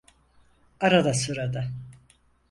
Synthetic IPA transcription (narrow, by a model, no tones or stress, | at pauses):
aɾad̪asoɾad̪a